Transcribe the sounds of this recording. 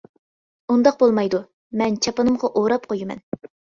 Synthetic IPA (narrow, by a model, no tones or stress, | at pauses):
und̪ɑqbolˠmɑjd̪u | mɛnt͡ʃʰɑpɨnɨmʁɑʔoɾɑp̚qʰojimɛ̰n